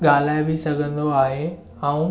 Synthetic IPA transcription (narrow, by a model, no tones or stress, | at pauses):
ɠaːl̤aːɪbɪsɐɡʱə̃nd̪oaːɦe | ãũ